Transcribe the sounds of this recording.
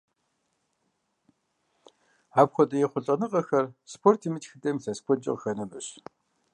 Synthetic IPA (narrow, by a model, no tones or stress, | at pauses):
apxʷɔtʼɐjeχʷʊɮʼɐnɨqʼɐxɐrspʰortʰimɨt͡ɕxɨtʼemsɐspʰʷɔt͡ʃʼɪ̰qxɐnɐmɨɕ